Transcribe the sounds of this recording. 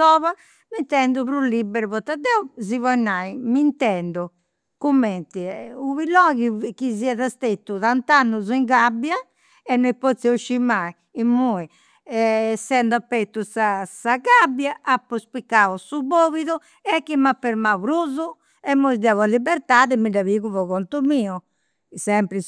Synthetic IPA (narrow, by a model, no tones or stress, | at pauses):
sɔːβa | mint̪ɛnd̪uβɾulːibɛɾuβɔt̪ːad̪ɛuzivɔɛnːaimint̪ɛnd̪u | kumːɛnt̪iuβilɔɣikiziɛðast̪et̪ːuðant̪anːuziŋɡabja | ɛnːoipɔt̪sioʃːimaiːmːui | ɛsːɛnd̪apːɛt̪ːusasaɣabjaʔapːɔspikːaɔsuβoːβiðu | ɛkːimapːɛɾmauɾuzu | ɛmːoizd̪avualːibɛɾt̪aːðɛmidaβiɣuβɔɣɔnt̪umiːɔ | sɛmpɾi